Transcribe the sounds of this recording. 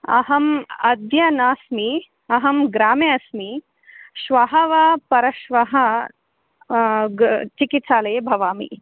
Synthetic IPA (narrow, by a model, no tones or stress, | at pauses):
ɐ̰ɦɐmɐd̪ʱjɐnaːsmi | ɐɦɐmɡɾaːmjeɐsmi | ʃʋɐɦɐʋaːpɐɾɐʃʋɐɦɐ | t͡ʃikit̪saːlɐːbʱɐʋaːmḭ